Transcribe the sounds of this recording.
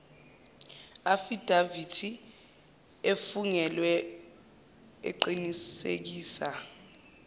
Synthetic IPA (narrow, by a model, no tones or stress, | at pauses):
afid̥ʱavitʰi | efuŋɛlwɛ | ḛǃinisḛk̬iːsa